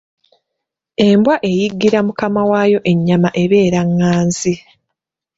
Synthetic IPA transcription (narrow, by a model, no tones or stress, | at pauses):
e̞mbwaʔe̞jiɡːiɾamukamawajo̞ʔe̞ɲːamaʔe̞βe̞ːɾaŋːaːnzi